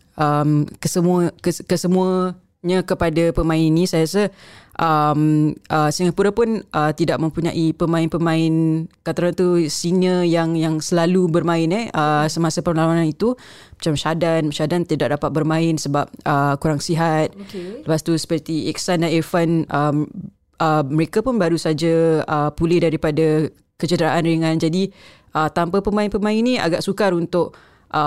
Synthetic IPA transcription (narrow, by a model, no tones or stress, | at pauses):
ʔəmkəsəmuəkəkəsəmuə | ɲakəpadapəmãɪninĩsajajasaʔəmʔəsiŋapuɾapʊnʔət̪idaʔ̚mə̃mpuɲa̰ʔipəmãɪnpəmãɪnkat̪aɾant̪usinəjaŋjaŋsəlalubərmãɪnɛəsəmasapəmlalananit̪u | mat͡ʃamʃadanmʃadant̪idaʔ̚dapat̪̚bərmãɪnsəbap̚ʔəkuɾaŋsiɦat̪̚kləpast̪usə̥pərt̪iɛk̚sandaɛfanə | əməɾekapʊnbaɾusad͡ʒaəpulɪdaɾipada | kət͡ʃədəɾaʔanriŋand͡ʒadi | ʔət̪ampəpəmãɪnpəmãɪnːĩa̰ɡaʔsukaɾunt̪ʊʔ | ʔə